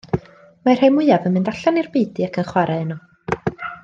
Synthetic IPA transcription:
mar̥emwʊɨavənmɪndaɬanirbeːdɨakʰənχwaɾʔaənɔ

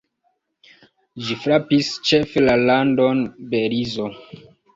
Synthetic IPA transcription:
d͡ʒifɾapist͡ʃefelalandonbeɾizo

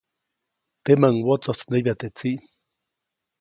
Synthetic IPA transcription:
t̪emaŋwot͡sot͡sneβjat̪et͡siʔ

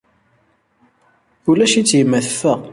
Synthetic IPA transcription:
ulæʃit͡sːjəmːæθəfːəʁ

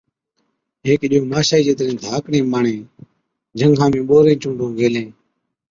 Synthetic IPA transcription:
ɦeːkɗɪjõːmaːʃaːiːd͡ʒeːt̪ɾẽːd̪ʱaːkɳẽːmaːɳẽː | d͡ʒəŋɡʱãːmẽːɓoːɾẽːt͡ʃũːɳɖʱõːɡʱeːlẽː

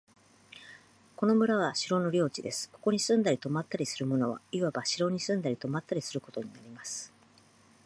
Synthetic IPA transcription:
ko̞no̞mɯ̟ɾaβ̞aɕiɾo̞no̞ɾʲo̞ːt͡ɕid̪e̞sɨ̥ko̞̥ko̞ɲ̟isɨ̃nd̪aɾʲit̪o̞mat̪ːaɾʲisɨɾɯ̟mo̞no̞βa̰iβabaɕiɾo̞ɲ̟isɨ̃nd̪aɾʲit̪o̞mat̪ːaɾʲisɨɾɯ̟ko̞t̪o̞ɲ̟inaɾʲimasɨ̥

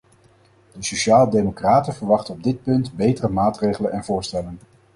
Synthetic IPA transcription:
dəsoʃaːlədejmokraːtəvəɹʋɑχtəɔb̚dɪt̚pɵntbejtərəmaːtrejχələnɛnvʊːɹstɛlən

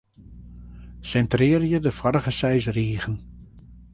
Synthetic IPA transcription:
sɛntrɪːrjədəfɔɾəɣəsɛjsriːɣən

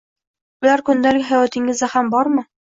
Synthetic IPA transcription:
ŭlæɾkɵ̆nd̪ælɡɘχæwæt̪ĭŋɘzæχæmbɒɾmɤ

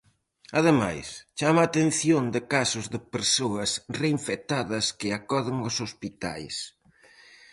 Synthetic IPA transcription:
aðɪma̰jst͡ʃamaːt̪en̟θjond̪ɪkasʊzðɪpeɾsoɐsreiɱfet̪aðɐskɪakɔðɪŋosospit̪a̰js

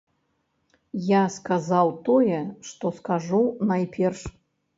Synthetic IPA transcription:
jaskazawt̪ɔjɛʂt̪ɔskaʐunajpʲɛrʂ

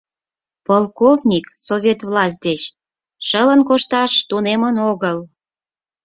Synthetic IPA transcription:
polˠkovnʲiksovʲet̪vlɑs̬ʲt̪̚d̪et͡ɕ | ʃələnkoʃt̪ɑʃt̪unemənoɣəl

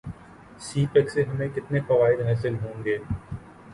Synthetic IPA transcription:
siːpɛkseɦɐmẽkɪt̪nefɐʋaːɪd̪ɦaːsɪlɦõːŋɡeː

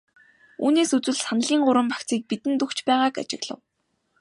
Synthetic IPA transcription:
uːneːsut͡sɘ̆ɮsanə̆ɮiːŋɢʊɾə̆mpakt͡siːk̚pit̪ɘ̆nt̪ɵkt͡ɕpæːʁaːka̰t͡ɕɪ̰̆ɣɮə̰̆w

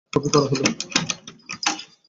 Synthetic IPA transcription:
obikɔɾaɦelo

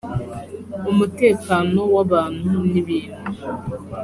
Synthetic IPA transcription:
umuteːkaːnowaβaːn̥huniβiːn̤u

